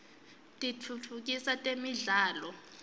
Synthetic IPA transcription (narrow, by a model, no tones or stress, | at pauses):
tʼitʰut͡fʰuk̬ʼisatʼemiɮaːlɔ